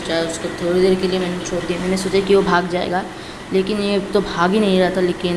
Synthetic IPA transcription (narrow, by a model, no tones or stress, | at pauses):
t͡ʃaeʊskot̪ʰoːɽed̪eːɾkeliemɛːnet͡ʃʰoːɾd̪iamɛːnesoːt͡ʃakiʋobʱaːɡd͡ʒaːḛːɡaː | leːkɪnjet̪obʱaːɡɦinɐɦĩɾɛɦt̪aleːkɪn